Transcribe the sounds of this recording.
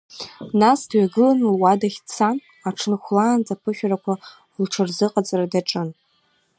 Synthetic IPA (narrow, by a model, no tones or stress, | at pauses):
nasdɥaɡɨlanlwadaχʲt͡sʰan | aʈ͡ʂʰɨnχʷlaːnt͡sʼapʰɨχʲᶣrakʷʰa | lʈ͡ʂʰɨrzɨqʼat͡sʼradaʈ͡ʂʼɨn